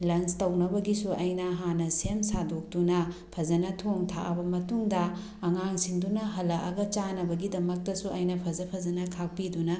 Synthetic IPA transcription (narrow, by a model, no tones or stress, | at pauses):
lɐnstɐwnɐbɐɡisuɐjnɐɦanɐsemsadok̚dunɐpʰɐzɐnɐtʰoŋtʰa̰ʔɐ̰bɐmɐtuŋdɐː | ŋaŋsindunɐɦɐlɐʔɐ̰ɡɐt͡ʃanɐbɐɡidɐmɐk̚tɐsuʔɐjnɐpʰɐzɐpʰɐzɐnɐkʰak̚pidunɐ